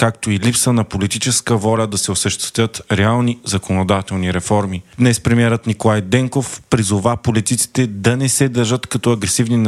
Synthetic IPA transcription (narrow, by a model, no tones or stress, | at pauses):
kakt̪oilipsənɐpolit̪it͡ʃɛskəvɔlʲəd̪ɐsɛosəʃt̪ɛ̥t̪ət̪ɾɛalˠnizɐkonod̪at̪ɛlˠniɾɛfɔɾmid̪nɛspɾɛmiɛɾət̪nikolˠajd̪ɛŋkofpɾizovapolit̪it̪si̥t̪ɛd̪ɐnɛsɛd̪ɐɾʒət̪kɐt̪ɔɐɡɾɛsivnin